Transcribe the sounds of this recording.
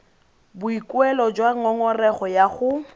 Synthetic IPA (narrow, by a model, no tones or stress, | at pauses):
bʊikʼwɛlɔd͡ʒwaŋ̩ɔŋɔrɛχɔjaχʊ